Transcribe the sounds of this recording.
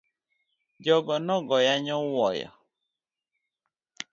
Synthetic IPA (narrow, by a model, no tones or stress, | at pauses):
d͡ʒɔɡɔnɔɡɔjaɲɔwɔjɔ̰